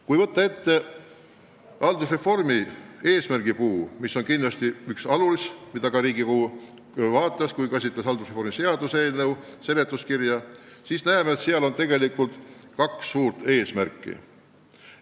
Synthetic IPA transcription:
kujvɤt̪ːɑe̞t̪ːe̞ | ʔɑld̪usre̞fo̞rmie̞ːsmærɡ̥ipuːmiso̞nkinlɑst̪iyksɑlulismid̪ɑkɑɾiːɡikuː | vɑːt̪ːˑɑskujkæs̬ʲit̪lesɑld̪usrefo̞ɾmise̞ɑd̪̥use̞ːlne̞wse̞le̞t̪ˑːuskirjɑ | siːsnæemeːt̪siɑlo̞nt̪e̞ɡe̞likːˑult̪kɑksːuːɾt̪e̞ːsmæɾkːˑḭ

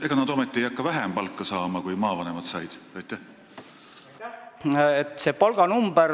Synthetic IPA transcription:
e̞ɡ̥ɑnɑd̪̥o̞met̪ːˑiejɑkːɑvæɦempɑlkˑːɑsɑːmɑkujmɑːvɑne̞mɑd̪̥sɑjd̪̥ɑjt̪ːˑæh | et̪se̞ːpɑlɡ̥ɑnumb̥əɾ

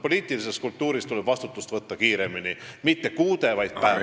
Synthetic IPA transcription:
po̞liːt̪ˑilise̞skult̪ːuːɾist̪ule̞b̥vɑst̪ut̪ːˑust̪vɤt̪ːɑkiːɾe̞minimit̪ːe̞kuːd̪̥e̞vɑjd̪̥̚pæe

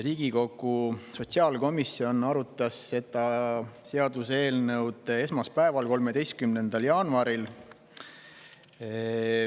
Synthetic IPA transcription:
riːɡ̥iko̞kːˑuso̞t̪ʲsiɑːlko̞misːio̞nɑɾut̪ːˑɑsːe̞d̪̥ɑse̞ɑd̪use̞ːlnɤwd̪̥e̞smɑspæevɑlko̞lme̞d̪e̞jst̪̚kymne̞nd̪̥ɑljɑːnuɑɾil

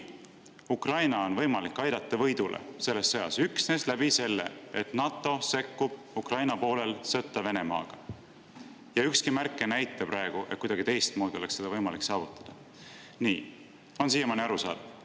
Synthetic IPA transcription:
ukrɑjnɑo̞nvɤjmɑlikˑːɑjd̪̥ɑt̪ˑːɑvɤ̞jd̪̥ulʔḛse̞lːesːɤjɑ̰syksneslæb̥ise̞lːḛet̪nɑt̪ːˑo̞se̞kːub̥ | ukrɑjnɑpo̞ːle̞lsɤt̪ːˑɑve̞ne̞mɑ̰ːɡ̥ɑ | jɑykskimærkːˑenæjt̪ːˑɑpɾɑeɡ̥uʔe̞t̪̚kujd̪ɑɡit̪e̞jst̪̚moːd̪io̞le̞kse̞d̪ɑvɤjmɑliksɑːvut̪ːˑɑd̪̥ɑ | niː | o̞ns̬iːemɑniɑɾusɑ̰ːd̪

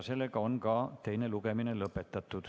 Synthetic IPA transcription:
selːe̞ɡɑo̞nkɑt̪e̞jneluɡe̞mine̞lɤpːˑe̞t̪ːˑɑt̪ːˑud̪̥

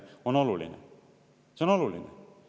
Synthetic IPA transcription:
ono̞lulḭnḛ | seono̞lulinḛ

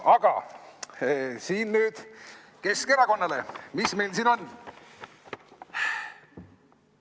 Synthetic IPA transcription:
ɑɡ̥ɑ̰ | siːnnyːd̪̥ | ke̞skeɾɑko̞nːɑle̞misme̞jlsiːno̞nː

